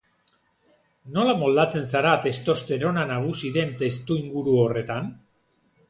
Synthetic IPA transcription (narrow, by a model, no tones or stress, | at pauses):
no̞lamo̞ld̪at͡se̞nsaɾat̪e̞st̪o̞st̪e̞ɾo̞nanaɣ̞usiðe̞nt̪e̞st̪uiŋɡuɾuore̞t̪an